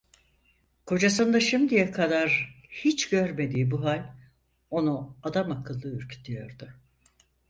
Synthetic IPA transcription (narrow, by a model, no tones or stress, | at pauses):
kʰo̞d͡ʒasɯnd̪aʃimd̪ijɛkʰad̪aɾhit͡ʃɟøɾme̞d̪iːbuɦalʲ | o̞nuad̪amakʰɯlˠːɯyɾcʰy̥t̪ijo̞ɾd̪ʊ